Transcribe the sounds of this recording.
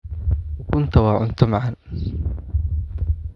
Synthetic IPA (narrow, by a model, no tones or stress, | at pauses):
wɐkʊnt̪ʰawaːʕʊnt̪ʰʊmaʕan